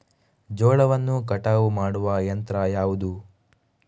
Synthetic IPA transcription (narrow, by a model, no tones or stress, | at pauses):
d͡ʒɔːɭɐʋɐnːukɐʈaːʋumaːɽuʋɐjɐnt̪ɾɐjaːʋud̪u